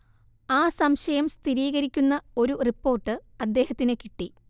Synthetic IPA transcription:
aːsɐmɕɐjɐmst̪ʰiɾiːɣɐɾikʲːunːɐo̞ɾuripːo̞ːrʈːɨɐd̪ːe̞ːhɐt̪ːinekiʈːi

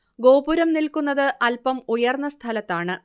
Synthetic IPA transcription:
ɡo̞ːbuɾɐmnilkunːɐðɨʔɐlpɐmujɐrnːɐst̪ʰɐlɐt̪ːaːɳɨ

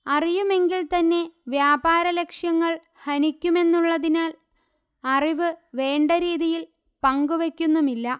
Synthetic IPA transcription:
ɐrijume̞ŋɡilt̪ɐnːe̞ʋjaːbaːɾɐle̞kʂjɐŋːɐɭ | hɐnikʲːume̞nːuɭːɐðinaːl | ɐriʋɨʋe̞ːɳɖɐɾiːðijil | pɐŋɡuʋe̞kʲːunːumilːɐ

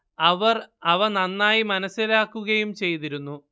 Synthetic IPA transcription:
ɐʋɐrɐʋɐnɐnːaːjimɐnɐsːilaːkːuɣɐjumt͡ɕe̞jt̪iɾunːu

